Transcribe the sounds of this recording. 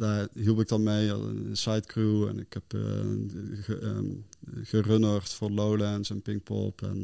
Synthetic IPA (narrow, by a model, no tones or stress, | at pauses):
daːɦilˠpɪk̚dɑnmej̰sajtkruɛ̰nɪkhɛp | ɣərønərtfʊːɹlowlɛnsɛnpɪŋk̚pɔ̰lˠpʰɛ̰n